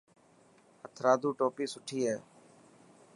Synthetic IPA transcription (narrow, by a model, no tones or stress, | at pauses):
ət̪ʰɾaːd̪uːʈoːpiːsʊʈʰiːɦeː